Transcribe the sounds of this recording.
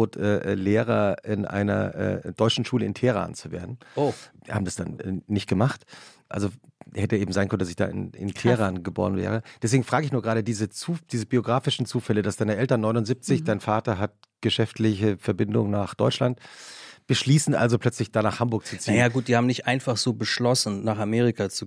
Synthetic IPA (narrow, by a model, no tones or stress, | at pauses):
oːtʰʔɛːʔɛːleːʁɐʔɪnʔa̰ɪnɐ̰ʔɛ̰ːd̥ɔʏt͡ʃn̩ʃuːləɪntʰeːəʁa̰ːnt͡suvḛːɐdn̩ohaːbm̩dasd̥a̰nɛːnɪçt̚ɡ̥əmaχtʔalzohɛtəʔeːbm̩zaɪnkœnəndasɪçd̥a̰ːʔɪ̰nɪ̰ntʰeːʁaːnɡəbo̰ːʁ̞ənvɛ̰ːʁ̞əd̥ɛs̬v̥eːɡŋ̩fʁ̥aːɡəɪçnuːɐɡʁaːdɾədiːzət͡suːd̥iːzəbioɡʁaːfɪʃn̩t͡suːfɛlədasd̥aɪnəʔɛltɐnːɔʏnʊnzip̚t͡sɪçd̥aɪnfaːtɐɦat̚ | ɡ̥əʃɛftlɪçəfɛɐbɪndʊŋnaːχd̥ɔʏt͡ʃlantb̥əʃliːsn̩ʔa̰lzopʰl̥œt͡slɪçd̥aːnaːχhambʊɐk̚t͡sut͡sinːajnaɡuːt̚d̥iːhaːbm̩nɪçtʔaɪnfaχz̥oːbəʃlɔsn̩naːχameːʁikʰat͡su